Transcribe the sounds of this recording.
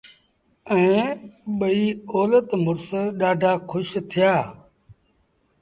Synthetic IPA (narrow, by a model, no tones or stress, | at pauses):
ɛ̃ːɓəiːoːlət̪mʊɾsɗaːɖʱaːkʰʊʃt̪ʰɪjaː